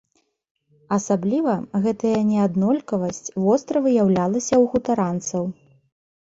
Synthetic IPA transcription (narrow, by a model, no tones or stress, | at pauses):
ɐsablʲivɐɣɛt̪ɐjɐnʲɛad̪nɔlʲkɐvɐsʲt͡sʲvɔst̪ɾɐvɨjawlʲalˠɐsʲɐwɣut̪aɾant̪sɐw